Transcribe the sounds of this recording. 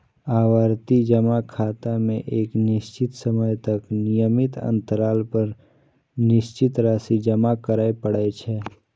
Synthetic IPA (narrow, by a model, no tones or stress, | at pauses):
aːwaːɾt̪id͡ʒəmakʰaːt̪amẽʔeːknɪʃt͡ʃɪt̪səməjt̪ɐknɪjəmɪt̪ə̰̃nt̪əɾaːlpəɾ | nɪʃt͡ʃɪt̪ɾaːsid͡ʒəmakəɾaːepəɽɛt͡ʃʰɛ